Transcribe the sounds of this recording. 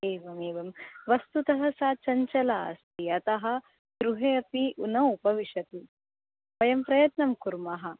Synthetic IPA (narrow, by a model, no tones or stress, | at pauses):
eːʋɐmeːʋɐmʋɐst̪ut̪ɐɦɐ̆saːt͡ʃɐɲt͡ʃɐlaɐ̰st̪iɐt̪ɐɦɐ̆ | ɡ̪ɾuɦeːɐpiʔunɐupɐʋiʂɐt̪i | ɐjɐmpɾɐjɐt̪nɐmkuɾmɐɦɐ̆